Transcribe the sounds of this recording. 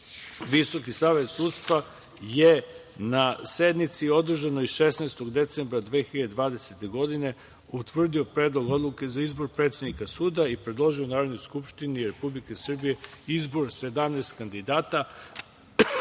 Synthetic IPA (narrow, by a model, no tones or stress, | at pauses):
ʋiso̞kisaːʋe̞t̪suːd̪st̪ʋa | je | nase̞d̪nit̪sio̞d̪r̩ʒanoiʃesneːst̪o̞ɡd̪e̞t̪se̞mbɾad̪ʋeːxiʎad̪ed̪ʋaːd̪e̞set̪e̞ɡo̞d̪ine̞ | ut̪ʋr̩d̪io̞pɾeːd̪lo̞ɡo̞d̪lˠuke̞zaizbo̞ɾpɾe̞t̪sed̪nikasuːd̪aipɾed̪lˠo̞ʒio̞naːɾo̞d̪no̞jskupʃt̪iniɾe̞publike̞sr̩bije̞izbo̞ɾse̞d̪amneːst̪kand̪id̪aːt̪a